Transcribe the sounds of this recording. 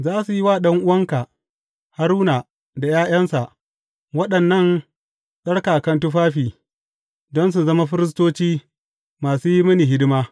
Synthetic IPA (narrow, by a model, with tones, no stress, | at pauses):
zaː˦su˨ji˦waː˦˨ɗɐ˦ŋʔʊ˦wɐ˦ŋka˨ | ha˦ɾuː˦naː˨ | da˨jaː˦j̰ɐ˦nsa˨ʔ | wɐ˦ɗɐ˨nːɐ˦˨n | ɗɐ˦ɽkaː˨kɐ˦ntʊ˦ɸaː˦ɸiː˨ | dɔ˦ns̬u˨zɐ˦ma˦ɸɪ˦ɾɪ˦s̬toː˦t͡ʃiː˦ | maː˨suː˦ji˦mɐ˦ni˨ɦɪ˦dɪ˦maː˦